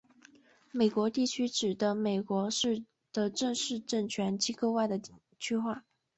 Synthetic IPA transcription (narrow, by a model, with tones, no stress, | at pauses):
me˨˩ɪkwɔ˧˥t̪i˥˩t͡ɕʰy˥ʈ͡ʂɻ̩˨˩d̪ə˦me˨˩ɪkwɔ˧˥ʂɻ̩˥˧ | d̪̥ə˦ʈ͡ʂɤ˥˧ŋʂɻ̩˥˧ʈ͡ʂə˥˩ŋt͡ɕʰɥɛ˧˥nt͡ɕi˥ko˥˧ʊwa˥˩ɪd̪ə˩ | t͡ɕʰy˥xwa˥˩